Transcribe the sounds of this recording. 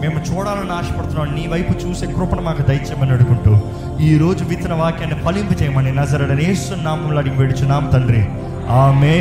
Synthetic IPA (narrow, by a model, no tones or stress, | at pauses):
meːmut͡ʃuːɽaːlɐnːaːʂɐ̥pɐɽt̪unːaːmniːʋɐjput͡ʃuːseːkɾupɐɳɐmaːkud̪ɐjɐt͡ʃɛbːɐnɐɽukuɳʈuː | iːɾo̞ːd͡ʒuʋit̪ɐnɐʋaːkjɐnepɐlimput͡ʃɛjɐmɐːɳinɐzɐɾɐɽɐneːsunːaːmɐmloːɽikʋeɽit͡ʃunaːmɐt̪ɐɳɖɾi | aːme